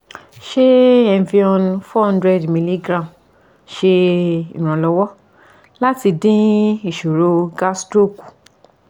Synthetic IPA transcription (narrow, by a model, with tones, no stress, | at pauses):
ʃe˦ɛ̃˧˨vi˧˦ɔ̃˧nfɔ˦ɔ̃˦ndɾɛ˦˨dmĩ˧li˦ɡɾã˦˨m | ʃe˧ḭ˨ɾ̃ã˨lɔ˧wɔ˦ | la˦ti˧dĩ˦i˦˨ʃo˨ɾo˧ɡa˦stɾo˦˨ku̥˨